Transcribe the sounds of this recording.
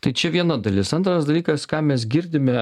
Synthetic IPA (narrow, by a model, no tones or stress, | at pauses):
t̪ɐɪt͡ʃʲɛʋʲiɛnɐd̪ɐlʲɪsɐnt̪ɾɐsd̪ɐlʲiːkɐskɑːmʲɛs̬ɡʲɪɾʲd̪ʲɪmʲɛ